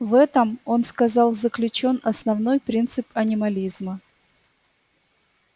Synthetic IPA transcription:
vɛt̪əmo̞nskɐzɑlˠzəklʲʉt͡ɕo̞nɐsnɐvno̞jpɾʲint̪sɨpɐnʲɪmɐlʲizmə

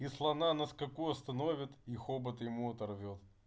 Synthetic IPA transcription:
islˠɐnanɐskɐkuɐst̪ɐnovʲɪt̪ixobət̪jɪmuɐt̪ɐrvʲolˠ

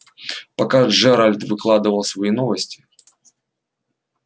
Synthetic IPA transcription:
pɐkaʐɛɾalʲt̪vɨklˠad̪ɨvəlˠsvɐinovəsʲtʲɪ̥

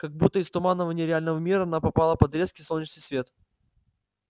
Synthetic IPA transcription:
kɐɡ̚but̪ːəɪst̪ʊmanːəvənʲɪjəɾʲɪalʲnəvəmʲiɾəɐnapɐpalˠəpɐd̪ɾʲeskʲɪsonʲɪt͡ɕnɨjsvʲe̞t̪

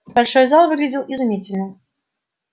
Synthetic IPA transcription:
balʲʂɔjzalˠvɨɡlʲɪdʲilˠizʊmʲit͡sʲɪlʲnə

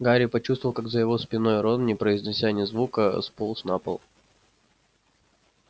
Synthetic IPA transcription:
ɡaɾʲɪpɐt͡ɕust̪vlˠkaɡzəjɪvo̞spʲɪno̞jɾo̞nnʲɪpɾəɪzʲnʲɪsʲanʲɪzvukəspolˠsnapə̰lˠ

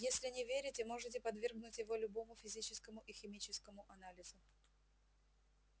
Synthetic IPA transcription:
jesʲlʲɪnʲɪvʲeɾʲɪtʲɪmo̞ʐɨt̬ʲɪpɐd̪vʲerɡnʊtʲjɪvo̞lʲʊbo̞mʊfʲɪzʲit͡ɕɪskəmʊʔɪxʲɪmʲit͡ɕɪskəmʊʔɐnalʲɪzʊ

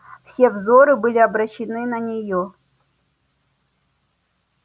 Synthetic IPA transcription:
fsʲe̞vzoɾɨbɨlʲɪɐbɾɐɕːɪnɨnɐnʲɪjo

